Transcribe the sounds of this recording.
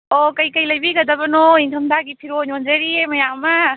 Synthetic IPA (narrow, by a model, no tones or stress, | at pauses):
okɐjkɐjlɐjbiɡɐd̪ɐbɐnoiŋtʰɐmd̪aɡipʰiɾoɲond͡ʒɐɾiemɐjamɐ